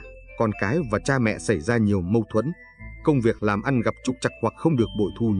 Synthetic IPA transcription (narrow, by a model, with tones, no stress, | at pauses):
kɔ˨˩nkaː˨˦jvaː˨˩t͡ɕaː˧mɛ̰˧˨sa˧˩jzaː˧ɲi˨˩əwmə˧wt̪ʰwə˧˦˥n | kə˧wŋ͡mvi˨˩ək̚laː˨˩mʔa˧nɣa˨˩p̚t͡ɕʊ˨˩k͡p̚t͡ɕa˨˩k̚hwa˨˩k̚xə˧wŋ͡mɗɨ˨˩ək̚ɓo̰˧˨jt̪ʰu˧